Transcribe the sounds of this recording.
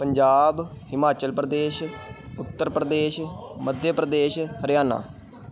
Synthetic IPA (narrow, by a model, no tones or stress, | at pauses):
pəɲd͡ʒaːbhɪmaːt͡ʃəlpɾəd̪eːʃʊt̪ːəɾpɾəd̪eːʃməd̪ʱjəpɾəd̪eːʃhəɾjaːna̰ː